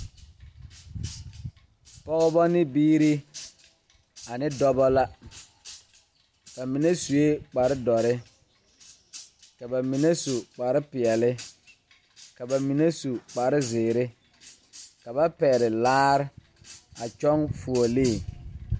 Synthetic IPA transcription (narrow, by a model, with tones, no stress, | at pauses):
pɔ˦ɣʊ˦bɔ˦nɪ˦biː˦ɾɪ˦ | a˨nɪ˦dɔ˦bɔ˦la˦ | b̥a˨mi˨ne˦su˨e˦k͡pa˨ɾɪ˦dɔ˨ɾɪ˦ | ka˨ba˨mi˨ne˦su˨k͡pa˨ɾɪ˦pɪ˨ɛ˨lɪ˦ | ka˨ba˨mi˨ne˦su˨k͡pa˨ɾɪ˦zɪː˨ɾɪ˦ | ka˨ba˦pɛː˨ɾɪ˨laː˦ɾɪ˦ | a˨t͡ʃɔ˦ŋfu˨o˨leː˦˨